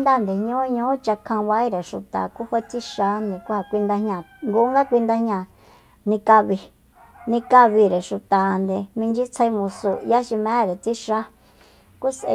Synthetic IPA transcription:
nd̪a˦˨nd̪e˨ɲõ˦ɲõ˦t͡ʃa˧kʰã˧βa˧˦i˦ɾe˨ʃu˨t̪a̰˨ku˦hʷa˦t͡si˦ʃa˧˦nd̪e˧ku˦ha˧kʷi˧nd̪a˧ɦɲã˧˨ŋɡu˧˦ŋɡa˦kʷi˧nd̪a˧hɲã˧˨ | nĩ˧ka˧βi˧ | nĩ˧ka˧βi˧ɾe˨ʃu˨t̪a˨nd̪e˧˨mĩ˧nd͡ʒi˦t͡sʰa˧i˧mũ˧su˧ja˦ʃi˧mẽ˨˦ɾe˨t͡si˦ʃa˦ | ku˦sʔḛ˧

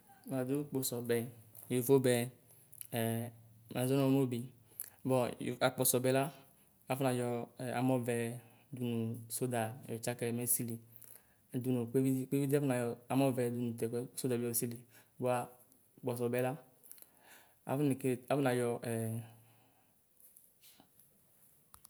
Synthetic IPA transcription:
m˨a˨du˦k͡pɔ˨sɔ˨bɛ˨ | jo˨vo˦bɛ˨ | ma˨zɔ˦nɔ˨mo˦bi˨ | bɔ̰˨a˨k͡pɔ˨sɔ˨bɛ˨la˦ | a˨fu˦na˨jɔ˧˨a̰˨mɔ˦vɛ˧ | du˨nu˨so˦da˨jɔ˨t͡ʃa˦kɛ˧˨mɛ˦si˦li˨ | du˨nu˨k͡pe˦i˦k͡pe˦vi˦di˦a˦fu˦na˨jɔ˨˧a˨mɔ˦vɛ˧du˨nũ˨tɛ˨kɛ˦so˦da˨bi˨ɔ˨si˦li˨ | bo˨˦a˨ | k͡pɔ˨s̬ɔ˨bɛ˨la˦ | a̰˨fi˨ke˦˨a˨˦fu˦na˨jɔ˧ɛ˨

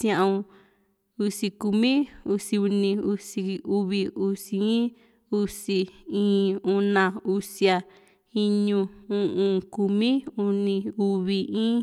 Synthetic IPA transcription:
sj̃ã˧ʔũ˧ | u˧si˧ku˧mĩ˦u˧si˧u˧nĩ˧u˧si˧u˧βi˧u˧si˧˦i˦ | u˧si˧ĩː˦u˧nã˧u˧sja˧ | i˦ɲũ˧ũ˧ʔũ˧ku˧mĩ˦u˧nĩ˧u˧βi˧ĩː˦

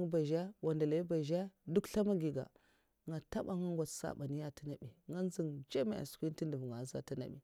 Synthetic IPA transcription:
ba˨ʒa˦wa˨nda˨la˨i˦ba˨ʒa˦du˦kɬa˦ma˦ɡi˨ɡa̰˨ | ŋa˨ta˦ba˦ŋa˦ŋɡʷa˨tsa̰˨ɓa˨ni˦ja˦ti˦na˨ɓi˨ŋa˦n˦zi˨ŋd͡ʒa˦ma˦˨a̰˨skʷu˦i˦nti˦ndu˨vŋa˨za̰˨ti˦na̰˨bḭ˨

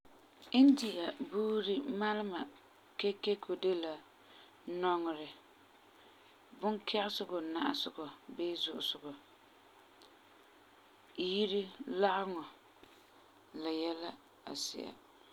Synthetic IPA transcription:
ɪ˦n˦dɪ˨ʔa˨buː˦ɾi˦ma˦lɪ˦ma˨ | ke˦ke˦kʰo˨de˦la˨ | nɔ˦ŋɔ˨ɾɪ˨ | bʊ˦nkʰɛ˦ʔɪ˦sʊ˦ɡɔ˨na̰˨ʔa̰˨sʊ˨ɡɔ˨beː˦zʊ˦ʔʊ˨sʊ˨ɡɔ˨ | ji˦ɾi˦la˦ʔɪ˦ŋɔ˨ | la˨jɛ˦la˦ | a̰˨sɪ̰˨a̰˨

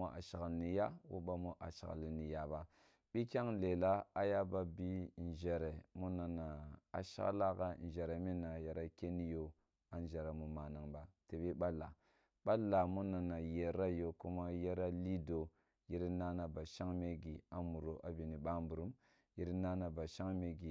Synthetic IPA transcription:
o˦a̰˨ʃa˨ɣa˨lni˨ja˦wo̰˦ɓa˦mo˦ʔa̰˨ʃa̰˨ɣa̰˨li˨ni˨ja˨ba˦ | ɓi˦kʲa˦ŋle˨la˦a˦ja˦ba˦bi˦˨n˨ʒe˨ɾe˨mu˦na˨na˨a̰˨ʃa̰˦la˦ka˦˨n˨d͡ʒe˨ɾe˨mi˦na˨ja˨ɾa˦ke˦ni˦jo˦ | a˨n˦d͡ʒe˨ɾa˨mu˨ma˨na˨ŋba˨te˨bi˦ɓa˦lːa˨ | ɓa˦lːa˨mu˦na˨na˨je˨ɾa˦jo˨ku˦ma˦je˦ɾa˦li˦do˨ | ji˦ɾi˦na˦na˨ba˨ʃa˦ŋme˦ɡi˨a˨mu˨ɾo˨ʔa˦bi˨ni˨ɓa˦mbu˨ɾu˦m | ji˦ɾi˦na˦na˨ba˨ʃa˦ŋme˦ɡi˨

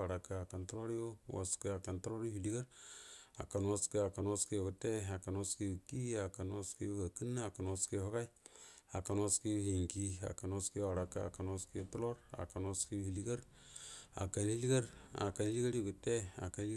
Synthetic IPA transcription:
a˨ɾa˨ka˨a˨ka˨ntu˦ɾo˦ɾi˦jo˦wa̰˨ski˦a˨ka˨ntu˦ɾo˦ɾi˦hi˨li˦ɡa˦ɾa˨ka˨nwo˦ski˦a˨ka˨nwo˦ski˦jo˨ɡu˨te˦a˨ka˨nwo˦ski˦u˨ki˦a˨ka˨n˦o˦ski˦o˦ka˨ki˦nːa˦a˨ka˨nwo˦ski˦˨ho˦ka˦i˦a˨ka˨nwo˦ski˦hi˨ŋki˦a̰˨ka˨nwo˦ski˦wa˨ɾa˨kːa̰˦a̰˨ka˨nwo˦ski˦jo˦tu˦lo˦ɾa̰˨ka˨nwo˦ski˦hi˨li˦ɡa˦ɾ | a̰˨ka˨n˦i˦li˦ɡa˦ɾa̰˨ka˨n˦li˦ɡa˦ɾo˨ɡu˨te˦a̰˨ka˨˦n˦i˦

